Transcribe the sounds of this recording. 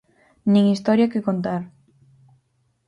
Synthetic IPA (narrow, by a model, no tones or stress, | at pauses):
nĩŋist̪ɔɾjakekont̪aɾ